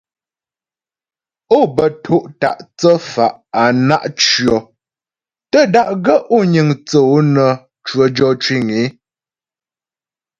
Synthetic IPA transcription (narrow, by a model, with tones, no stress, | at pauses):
o˦˨bə˨tʰo˦ʔta̰˨ʔt͡sə˦fa˨ʔa˨na˦˨ʔt͡ʃɥjɔ˨ | tə˦da˦ʔɡə˦ʔo˦˨ɲə˨ŋt͡sə˨o˦nə˨ | t͡ʃwə˨˦d͡ʒɔ˦t͡ʃwi˦˨ŋe˨˦